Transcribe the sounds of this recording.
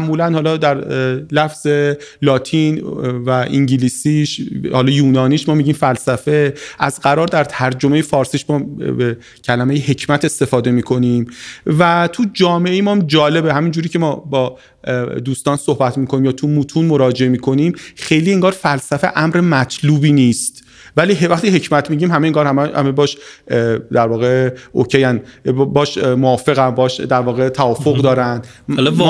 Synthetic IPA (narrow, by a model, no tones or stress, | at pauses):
ʔmuːlænhɒːlɒːd̪æɾlæfz̥e̞lɒːt̪ʰinvæʔiŋɟiliːsiʃhɒːlɒjuːnɒːniːʃmɒːmiɟiːmfælsæfeʔæzɡæɾɒːɾd̪æɾt̪ʰæɾd͡ʒo̞me̞jefɒːɾsiːʃmɒːbe | cʰælæme̞jehe̞cʰmæt̪ʰe̞st̪e̞fɒːd̪e̞miːkʰo̞nimvæt̪ʰud͡ʒɒːmeʔejemɒmd͡ʒɒːle̞behæmind͡ʒuːɾiːcʰe̞mɒːbɒː | d̪uːst̪ɒːnso̞hbæt̪ʰmiːkʰoniːmjɒːt̪ʰumuːt̪ʰuːnmo̞ɾɒːd͡ʒeemiːkʰo̞niːmxe̞jliːe̞ŋɡɒːɾfælsæfe̞̰ʔæmɾemæt̪ʰluːbiːniːst̪ | væliːɦevæxt̪iɦe̞cʰmæt̪ʰmiːɟiːmhæmejeŋɡɒːɾhæ̰mebɒːʃ | d̪æɾvɒːɣeʔocʰejænbɒːʃmoɒːfe̞ɣænbɒːʃd̪æɾvɒːɣe̞t̪ʰæɒːfoɣd̪ɒːɾænd̪l